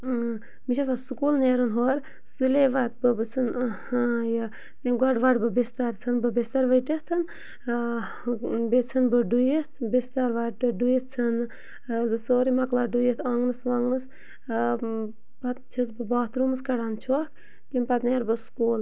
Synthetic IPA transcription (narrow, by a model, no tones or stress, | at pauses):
miʃɐsasukuːlneːɾonɦoːɾ | suleʋat̪̚bɨbɨt͡sʰɨn | jɐ | t̪imɡaɖʋaɖbɨbest̪aɾt͡sʰɨnbɨbest̪aɾʋɐjʈət̪ʰɨn | bet͡sʰɐnbɨɖujət̪ʰbest̪aɾʋaɨɖujət̪̚t͡sʰɐn | lbɨsoːɾimɐklaɖujət̪ʰaːŋɡnɨsʋaŋɡnɨs | pat̪t͡ʃʰit̪bɨbaːt̪ɾumɨskɐɖaːnt͡ʃʰok | t̪impɐt̪neːɾbɨskuːl